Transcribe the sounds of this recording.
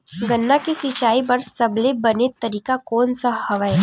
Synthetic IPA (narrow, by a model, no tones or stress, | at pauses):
ɡɐnːakisɪt͡ʃaːibɐɾsɐblebɐnet̪ɐɾiːkakɔːnsahɐʋae